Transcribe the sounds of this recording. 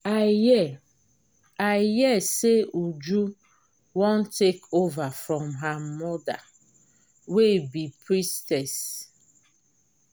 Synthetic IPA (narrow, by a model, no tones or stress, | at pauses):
ajɛ | ajɛseud͡ʒu | wɔ̃ntekʰovafɹɔ̃mɦamɔda̰ | webipɹistɛs